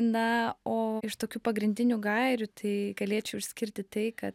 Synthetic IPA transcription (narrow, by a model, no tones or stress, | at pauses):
nɐoːɪʃt̪oːkʲuːpɐɡɾʲɪnʲd̪ʲɪnʲuːɡɐɪɾʲʊt̪ʰɐɪɡɐlʲeːt͡ʃʲɛʊɪʃʲsʲkʲɪɾʲt̪ʲɪt̪ɐɪkɐt̪